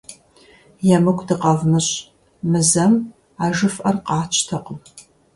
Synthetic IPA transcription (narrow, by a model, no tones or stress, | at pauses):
jɛmɨkʷdɨqɐvmɨɕʼ | mɨzɐm | aːʒɨfʔɐrqɑːt͡ʃʰtʰɐqəm